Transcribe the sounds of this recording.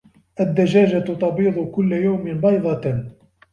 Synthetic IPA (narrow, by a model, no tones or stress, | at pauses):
ʔad̪ːad͡ʒaːd͡ʒat̪t̪ˤɑbiːd̪ˤʊkʊlːajawmɪnbɑjðˤɑ